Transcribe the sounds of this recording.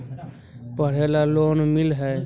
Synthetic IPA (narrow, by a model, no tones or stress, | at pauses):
pəɽ̤eːlaloːnmɪlɦɛː